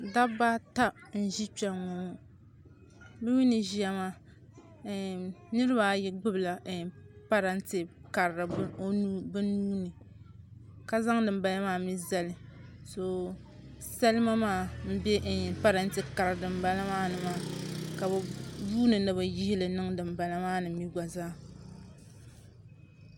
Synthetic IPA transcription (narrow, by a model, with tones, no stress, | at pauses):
da˦ba˦ta˦n̩˦˨ʒi˦t͡ʃɛ˨mo˨mo˦ | bɛ˦mi˦nɨ˨ʒi˦ja˨maː˦˨ | nɨ˦ɾɨ˦ba˨˦jɛ˦ɡ͡bɨ˦bla˨pa˦ɾa˦ntɪ˨ka˨ɾɾɨ˨˦o˦nu˦bɨ˦nuː˦nɨ˨ | ka˦za˦ŋdɨ˨m˦ba˨la˦maː˦˨mi˦za˦lɨ˨ | so˨ | sa˦lɨ˦ma˦maː˦˨m̩˦bɛ˦ʔpa˦ɾa˦n˦tɨ˦ka˨ɾɨ˨dɨ˨mba˦la˦maː˦nɨ˨maː˦˨ka˨bɛ˨buː˦nɨ˨nɨ˦ba˨ji˦hi˦lɨ˨nɨ˦ŋdɨ˨mba˨la˦maː˦nɨ˨m̩˦i˦ɡa˨zaː˦